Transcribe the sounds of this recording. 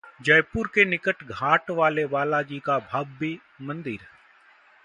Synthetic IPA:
d͡ʒɐjpʊɾkenɪkəʈɡʱaːʈʋaːleʋaːlad͡ʒiːkabʱaːbi | mɐ̃nd̪ɪɾ

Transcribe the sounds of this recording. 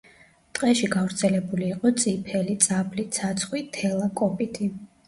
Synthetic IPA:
t̪ʼqʼɛʃiɡavɾt̪sʰɛlɛbuliːqʼɔt̪sʼipʰɛlit̪sʼablit̪sʰat̪sʰχwit̪ʰɛlˠakʼɔpʼit̪ʼi

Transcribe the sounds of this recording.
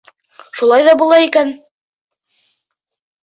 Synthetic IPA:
ʃulˠɑjðɑbulˠɑikæn

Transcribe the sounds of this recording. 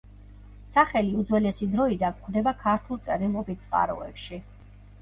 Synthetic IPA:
saχɛliud̪zwɛlɛsid̪ɾɔid̪ankχd̪ɛbakʰaɾt̪ʰulˠt̪sʼɛɾilˠɔbit̪t̪sʼqʼa̰ɾɔ̰ɛpʃi

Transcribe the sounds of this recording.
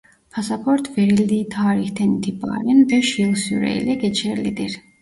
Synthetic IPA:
pʰasapʰɔɾt̪ʰvɛɾild̪iːt̪ʰaːɾixt̪ʰɛnit̪ʰiba̰ɾɛnd̪ɛʃilˠsyɾɛ̰lɛɡɛt͡ʃʰɛɾlḭd̪ɛɾ

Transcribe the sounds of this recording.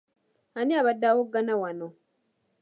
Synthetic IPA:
aniaβadːawoɡːanawano

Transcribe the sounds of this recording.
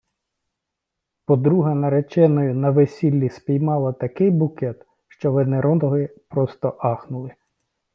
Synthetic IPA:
pɔd̪ɾuɦɐnɐɾet͡ʃɛnɔjʊnɐʋesʲilʲːispʲijmɑlˠɐt̪ɐkɪjbʊkɛt̪ | ʃt͡ʃɔʋeneɾɔd̪ɔɦɪpɾɔst̪ɔʔɑxnʊlˠɪ

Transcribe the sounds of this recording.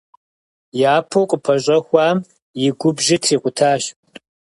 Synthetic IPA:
jaːpʰowqʼəpʰɐɕʼɐxʷɑːm | jɪɡʷʊbʒɪtʰriːqʷʊtʰaːɕ

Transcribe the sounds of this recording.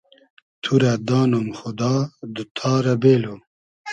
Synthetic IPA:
t̪ʰuɾad̪ɑːnomxʊd̪ɑːd̪ɨt̪ʰɑːɾɐbeːlo

